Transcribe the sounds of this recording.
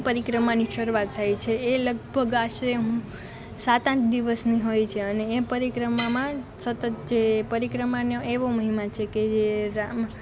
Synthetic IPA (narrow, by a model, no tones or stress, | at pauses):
pəɾikɾəmaniʃəɾuat̪ʰːajt͡ʃʰeːləɡ̚bʱəɡaʃɾeɦũ | sat̪ãt͡ʃʰd̪iʋəsniɦojt͡ʃʰeəneːpəɾikɾəmamãsət̪ət̪d͡ʒepəɾikɾəmanoʔeʋoməɦimat͡ʃʰeked͡ʒeɾam